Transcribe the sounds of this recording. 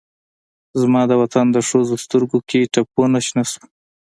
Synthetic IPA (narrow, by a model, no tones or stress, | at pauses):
zmɑd̪əwat̪and̪əʂozost̪əɾɡokʰeʈak̚ponaʃnasu̥